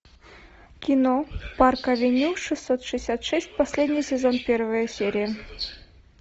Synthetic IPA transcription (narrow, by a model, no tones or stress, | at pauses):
kʲɪnoparkəvʲɪnʲuʂɨsːot̪ʂɨɪsʲat̪ʂɛsʲt̚ʲpɐsʲlʲedʲnʲɪjsʲɪzonpʲe̞rvəjəsʲeɾʲɪjə